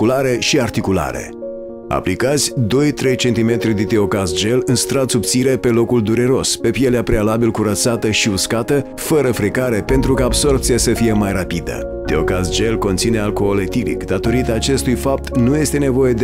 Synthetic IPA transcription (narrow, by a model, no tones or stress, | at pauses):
kulaɾe̞ʃiart̪ikula̰ɾe̞̰ | a̰plikat̪sʲd̪o̞jt̪ɾe̞jt͡ʃe̞nt̪ime̞t̪ɾid̪et̪io̞kasd͡ʒe̞lɨnst̪ɾat̪subt̪siɾe̞pe̞lo̞kuld̪uɾe̞ɾo̞spe̞pjeleapɾe̞alabilkuɾət̪sat̪əʃiuskat̪ə | fəɾəfɾikaɾe̞pe̞nt̪ɾukaːbso̞rp̚t̪sijasəfije̞majrapid̪ə̰ | t̪io̞̰kasd͡ʒe̞lko̞nt̪sine̞alkoːlet̪ilḭkd̪at̪o̞ɾit̪aːt͡ʃe̞st̪ujfap̚t̪nuje̞st̪e̞ne̞vo̞je̞d̪